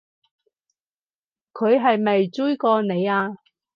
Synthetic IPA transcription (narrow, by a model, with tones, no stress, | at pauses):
kʰɵ˨˧ɥɦɐ˨jmɐ˨jt͡su˥jkɔː˧ne˨˧jaː˧